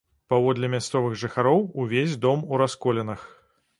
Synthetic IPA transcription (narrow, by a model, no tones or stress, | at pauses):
pavɔd̪lʲɛmʲast̪sɔvɨɣʐɨxaɾɔwuvʲezʲd̪ɔmuɾaskɔlʲɛnɐx